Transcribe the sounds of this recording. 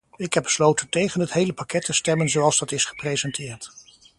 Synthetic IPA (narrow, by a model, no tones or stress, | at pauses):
ɪkɦɛb̚bəslowtəntejχənɦətɦejləpakɛtʰəstɛmənzowɑlˠzdɑtɪsχə̥prejzɛntʰɪːɹt